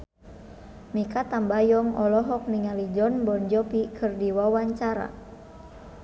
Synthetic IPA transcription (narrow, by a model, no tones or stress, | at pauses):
mikat̪ambajɔŋɔlɔɦɔk̚niŋalid͡ʒɔnbɔnd͡ʒɔpikʰɨrdiwawaɲt͡ʃaɾa̰